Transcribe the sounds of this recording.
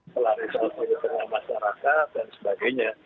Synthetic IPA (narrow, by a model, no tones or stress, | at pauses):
təlaɾusat̪iɾit̪əŋamaʃaɾakat̪̚dansəbaɡajɲa